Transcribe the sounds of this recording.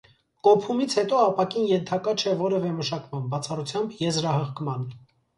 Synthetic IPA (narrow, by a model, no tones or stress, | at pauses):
kɔpʰumit͡sʰhɛt̪ɔɑpɑkinjɛnt̪ʰɑkɑt͡ʃʰɛvɔɾɛvɛməʃɑkmɑnbɑt͡sʰɑrut͡sʰjɑmbjɛzɾɑhəʁkmɑn